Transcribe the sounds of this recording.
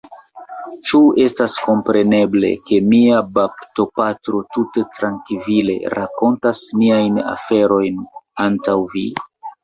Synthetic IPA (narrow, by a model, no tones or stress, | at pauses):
t͡ʃue̞stasko̞mpɾe̞ne̞ble̞̰ke̞miabapto̞patɾo̞tute̞tɾaŋkvile̞̰ɾako̞ntasmiajna̰fe̞ɾo̞jnantawvḭ